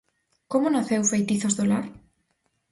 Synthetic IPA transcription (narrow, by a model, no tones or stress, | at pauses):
komonaθewfejt̪iθozðolaɾ